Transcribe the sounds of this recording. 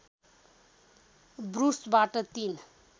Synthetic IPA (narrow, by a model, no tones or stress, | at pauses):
bɾusbaʈʌt̪in